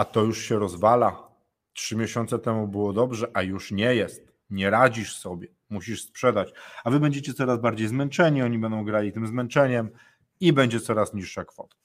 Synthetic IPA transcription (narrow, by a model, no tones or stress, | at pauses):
at̪ɔjuʂɕɛɾɔzvala | tʂɘmʲjeɕɔnt̪sɛt̪ɛmubɘwɔd̪ɔbʐɛʔajuʂɲɛjɛst̪̚ | ɲɛɾad͡ʑiʂsɔbʲjɛ | muɕiʂspʂɛd̪at͡ɕavɘbɛɲd͡ʑet͡ɕɛt̪sɔɾazbaɾd͡ʑejzmɛnt͡ʂɛɲiɔɲibɛnd̪ɔ̃w̃ɡɾalʲit̪ɘmzmɛnt͡ʂɛɲɛm | ibɛɲd͡ʑɛt̪sɔɾasɲiʂʂakfɔ̰t̪ḁ